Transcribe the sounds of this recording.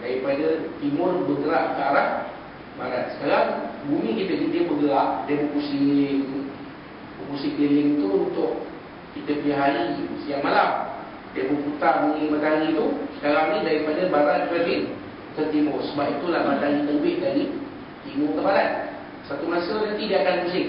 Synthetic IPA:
daɾipadət̪imʊrbəɡəɾaʔkaɾah | baɾa̰t̪̚sə̥kaɾaŋbumikit̪ədidiəbəɡəɾaʔdabəkusi | bəkusipelɪŋt̪uunt̪ʊʔ | kit̪əpəliɦaɾisiaŋmalam | dabəput̪abuŋɪŋmat̪alit̪usə̥kaɾaŋnidaɾipadəbaɾanpəlin | t̪ərt̪imʊrsəbap̚it̪ulahmat̪alik̪ələbɪʔdaɾi | t̪imʊrt̪əbaɾat̪̚ | sat̪umasənant̪idiakankusɪŋ

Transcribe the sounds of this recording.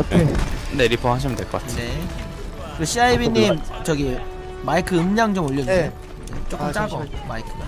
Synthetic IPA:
eneɾipʰoɦaɕ̬ʰimɯndweɭk͈ʌk͈atʰne | kɯeɕʰiaibiɲimt͡ɕʌɡi | maikʰɯɯmɲaŋt͡ɕomoʎːʌd͡ʑe | et͡ɕ͈okɯt͡ɕ͈aɡʌmaikʰɯɡa

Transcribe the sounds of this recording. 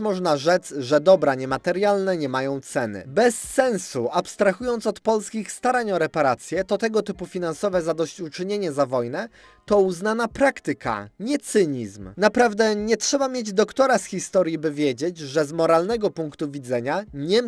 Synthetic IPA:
mɔʐnaʐɛd̪zʐɛd̪ɔbɾaɲɛmat̪ɛɾjalnɛɲɛmajɔ̃w̃t̪sɛnɘ̰bɛsːɛnsṵapst̪ɾaxujɔnt̪sɔt̪pɔlskʲixst̪aɾaɲɔɾɛpaɾat̪sʲjɛt̪ɔt̪ɛɡɔt̪ɘpufʲinansɔvɛzad̪ɔɕt͡ɕut͡ʂɘɲeɲɛzavɔjnɛ | t̪ɔuznanapɾakt̪ɘka̰ɲɛt̪sɘɲizmnapɾavd̪ɛɲɛtʂɛbamʲjed͡ʑd̪ɔkt̪ɔɾasxʲist̪ɔɾjibɘvʲjed͡ʑed͡ʑʐɛzmɔɾalnɛɡɔpuŋkt̪uvʲid̪zɛɲaɲɛ

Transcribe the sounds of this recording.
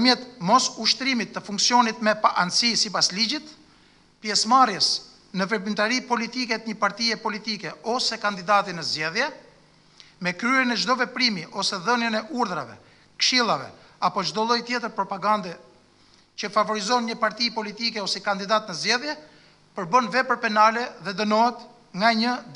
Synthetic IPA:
mjɛt̪mɔsuʃt̪ɾimit̪ːəfuŋksiɔnit̪mɛpaʔansisipaslid͡ʑit̪ | pjɛsmarjəs | nəvɛpint̪aɾipɔlit̪ikɛt̪ɲəpaɾt̪iɛpɔlit̪ikɛɔsɛkand̪id̪at̪inəzd͡ʒɛðjɛ | mɛkɾyɛnɛd͡ʒd̪ɔvɛpɾimiʔɔsɛðənjənɛʔuɾðɾa̰vɛ̰ | kʃilˠavɛ̰ | apɔd͡ʒd̪ɔlˠɔjt̪jɛt̪əɾpɾɔpaɡand̪ɛ | t͡ɕəfavɔɾizɔnɲəpaɾt̪ipɔlit̪ikɛɔsɛkand̪id̪at̪nəzd͡ʒɛðjɛ | pəɾbənvɛpəɾpɛnalɛðɛd̪ənɔɦɛt̪ | ŋɡaɲəd̪

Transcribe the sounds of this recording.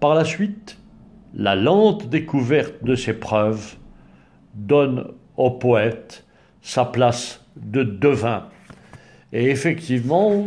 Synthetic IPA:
paʁlasɥit̪ | lalɑ̃t̪d̪ekuvɛʁt̪̚d̪əsepχœv | d̪ɔn | opɔɛt̪ | saplas | d̪əd̪əvɛ̃ | eefɛk̚t̪ivmɑ̃

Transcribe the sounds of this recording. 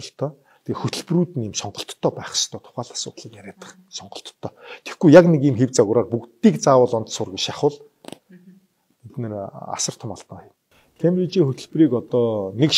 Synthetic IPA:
ɬt̪ʰœː | t̪ʰexɵt̪ʰɵ̆ɮpruːt̪ɘ̆niːmsɔɴɢɞ̆ɬt̪ʰːœːpæːχst̪ʰœːt̪ʰʊ̥χaːɮḁsʊ̰ːt̪ɮiːkjæɾʲæːt̪ə̥̆χ | sɔɴɢɞ̆ɬt̪ʰːœːt̪ʰe̥xɡujjaknekiːmxewt͡saɣʊːɾaːrpukt̪iːkt͡saːwə̆ɮɔnt̪sʊːrɡet͡ɕʃaχʊ̆ːɮ | ɡet̪nĕra̰sə̆r̥t̪ʰʊmaɮt̪ə̆ŋin | kʰempit͡ɕiːŋxɵt̪ɵ̆ɮpriːkɔt̪ɔːnek

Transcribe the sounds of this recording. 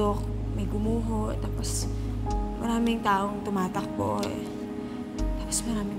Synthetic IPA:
ok̚mɐjɡʊmuːɦoʔt̪aːpos | mɐɾaːmɪŋt̪aːʔoŋt̪ʊmaːt̪ɐk̚po̰ʔoɛ̰ | t̪aːposmɐɾaːmɪŋ

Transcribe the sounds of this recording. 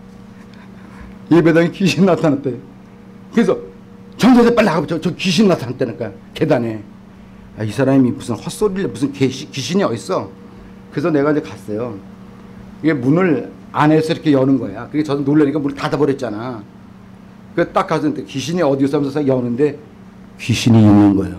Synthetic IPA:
je̞be̞daŋikiɕʰinːatʰanat͈ʰe | kɯɾe̞sʰʌ | t͡ɕʌnsʰasʰep͈aɭːiaɡʌt͡ɕʰʌt͡ɕʌkiɕ̬ʰinnːatʰanat͈ʰanak͈ajo | ke̞dane̞ | aisʰaɾamimusʰɯnhʌs͈oɾiɭːʌmusʰɯnkeɕʰikiɕʰiniʌis͈ʌ | kɯɾe̞sʰʌne̞ɡaind͡ʑekas͈ʌjo | kiɡe̞munɯɭ | anesʰʌiɾʌkʰejʌnɯnɡʌejakɯɡet͡ɕʌnɯnnoɭːeɲik͈amunɯɭtadabʌɾjʌt̚t͡ɕ͈ana | kɯet͈ak͈ːas̬ʰʌnɯntekiɕʰiniʌdiosʰamnsʰʌsʰaijʌnɯnde̞ | kiɕʰiniːnːɯnɡʌḛjo̰

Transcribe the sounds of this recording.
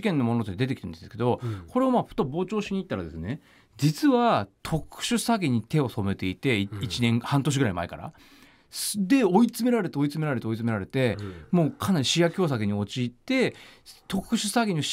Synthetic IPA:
kẽ̞nːo̞monot̪oed̪e̞t̪ekʲit̪end̪end̪sɨke̞d̪o̞ko̞ɾe̞omaɸɯ̟̥t̪obo̞ːt͡ɕo̞ːɕiɲ̟iːt̪ːaɾa̰d̪e̞sɨne̞ | d͡ʑit͡sɨβat̪ʰo̞kɯ̟̥ɕɨsaɡʲiɲ̟it̪e̞o̞so̞me̞t̪e̞it̪e̞it͡ɕinẽ̞ŋhãnt̪o̞ɕ̬iɡɯɾaima̰eka̰ɾa̰ | sd̪e̞o̞it͡sɨme̞ɾaɾe̞t̪eo̞it͡sɨme̞ɾaɾe̞t̪eo̞it͡sɨme̞ɾaɾe̞t̪e̞moːkʰanaɾʲiɕijakʲo̞ːs̬aɡeɲ̟io̞t͡ɕiːt̪ːe̞t̪o̞kɯ̟ɕɨsaɡʲiɲ̟i

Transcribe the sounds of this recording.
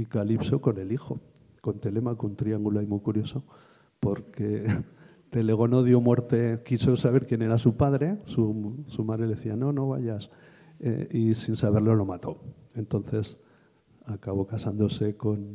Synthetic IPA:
ikalipso̞ko̞ne̞lixo̞ | ko̞nt̪e̞le̞makount̪ɾiaŋɡulaimujkuɾjo̞so̞ | po̞ɾke̞ | t̪e̞le̞ɣ̞o̞no̞ðjo̞mwe̞ɾt̪e̞kisosaβ̞e̞ɾkje̞ne̞ɾasupaðɾe̞susumaðɾeleeθiano̞no̞βa̰ʝas | ḛisinsaβe̞ɾlo̞lo̞mat̪o̞e̞nt̪o̞n̟θe̞s | akaβ̞o̞kasand̪o̞se̞ko̞n

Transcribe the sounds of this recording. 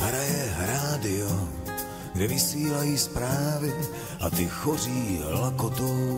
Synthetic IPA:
ɦɾajɛɦɾaːdɪo | ɡdɛvɪsiːlajiːspɾaːvɪ | ʔa̰t̪ɪxɔr̝iːɦlakot̪u

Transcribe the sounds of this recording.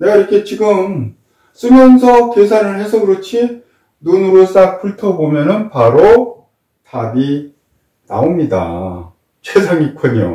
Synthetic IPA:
neɡaiɾʌkʰe̞t͡ɕiɡɯm | s͈ɯmjʌnsʰʌkes̬ʰaɾɯɭhɦe̞sʰʌkɯɾʌt͡ɕʰi | nunɯɾos͈ak̚pʰuɭtʰʌbomjʌnɯnpaɾo | tabi | na̰omɲida̰ | t͡ɕesʰaŋikʰʌɲo̰

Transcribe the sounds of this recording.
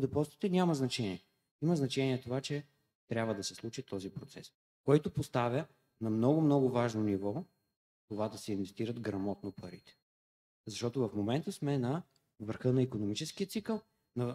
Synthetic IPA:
d̪ɛpɔlst̪i̥t̪ɛnʲamɐznɐt͡ʃɛniɛ | imɐznɐt͡ʃɛniɛt̪ovat͡ʃɛ | t̪ɾʲabvəd̪ɐsɛslˠut͡ʃit̪ɔzipɾot̪sɛs | kɔjt̪opost̪avʲjə | nɐmnɔɡʊmnɔɡʊvaʒnonivɔ | t̪ovad̪ɐsɛinvɛst̪iɾəd̪ɡɾɐmɔt̪̚nopɐɾit̪ɛ̥ | zɐʃt̪ɔt̪ʊvɐfmomɛnt̪əsmɛnɐ | vəɾxɤnɐikonomit͡ʃɛskiət̪sikəlˠ | nɐ

